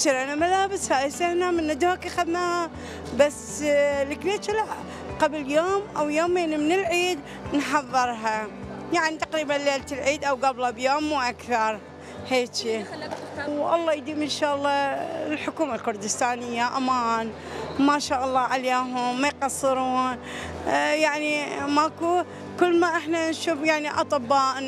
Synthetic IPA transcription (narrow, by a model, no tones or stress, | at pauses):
ʃɪɾʔanamalaːbɪshaʔɪsahnamɪnːad̪hakaxad̪naa | bas | lɪkbeːt͡ʃalaʕ | qabljoːmʔawjoːmeːnimnɪlʕiːd̪ | nħɑðˤːɨɾˤɦajaʕnit̪aqɾiːbanleːlt̪ɪlʕiːd̪ʔawɡablabjoːmːuːʔakθɑɾˤ | heːt͡ʃi | wʔɑ̰lˤːɑːjd̪iːmɪnʃaːʔlˤːɑlħʊkuːmalkʊɾd̪ɪst̪aːnɪjːaʔamaːn | maːʃaːʔɑlˤːɑːʕaleːɦʊmːajqɑsˤːɨɾuːn | jaʕnimaku | kʊlːmaʔɪħnanʃuːfjaʕniʔɑ̰t̪ˤɨbːɑːʔ